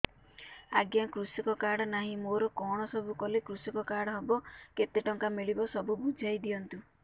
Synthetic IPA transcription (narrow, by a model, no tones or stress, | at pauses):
aɡjakɾusikɔkaɽɔnaɦĩmoɾɔkɔɽ̃ɔsɔbʱukɔlekɾusɔkɔkaɽɔɦɔbɔket̪eʈɔŋkamiɭibɔsɔbubud͡ʒʱajd̪ijɔnt̪u